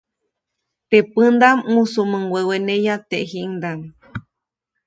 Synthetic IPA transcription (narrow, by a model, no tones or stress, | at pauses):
t̪epɨnd̪amũsumɨ̃ŋɡwewenẽjat̪eʔɦiŋd̪aŋ